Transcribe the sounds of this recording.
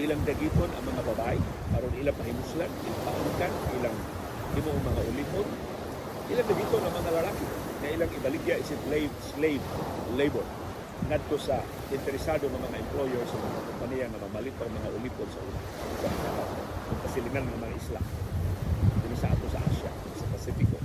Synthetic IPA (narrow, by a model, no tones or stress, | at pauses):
ʔɪlaŋd̪aɡit̪onɐ̰ŋmɐŋababaʔɪ | ʔaɾonʔɪlaŋpahɪmʊslanʔɪ̰laŋpaʔʊlikanɪlaŋ | ɡɪnuʔoŋmɐŋaʔʊliːpon | ʔɪlaŋd̪aɡit̪onɐŋmɐŋalalakɪ | ŋaʔɪlaŋɪbalɪɡjaʔɪsɪt̪lslelebɛl | ŋad̪̚t̪osa | ɪnt̪ɛɾɪsad̪oŋɐmɐŋaʔɪmplojɛɹsɐmɐŋakʊmpanijaŋɐmamalɪp̪aŋmɐŋaʔʊliːponsɐʔṵːna̰ | aɪsaʔnakaokʊŋpasɪlɪŋanŋamɐŋaʔisla̰ | dɪmasaʔa̰t̪osɐ̰ʔa̰sja̰ | sɐpasifɪko